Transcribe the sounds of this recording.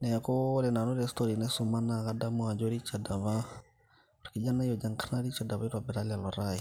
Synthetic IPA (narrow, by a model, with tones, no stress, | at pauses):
nɛ˨a˨kʊ˦lɛ˨na˨nʊ˦ɾɛstɔɾi˨nɛ˦sʊ˨ma˦na˨ka˦da˦mʊ˦a˨d͡ʒɔ˦ɾi˦t͡ʃa˨da˨βa˦ | ʊ˨ɾkɪ˨d͡ʒa˦na˦jɔ˨d͡ʒa˨ŋkʰana˦ɾi˦t͡ʃa˨da˨βa˦i˦ɾwa˨bɛ˨ɾa˦lɪa˨lɔ˨ɾa˦ɪ˨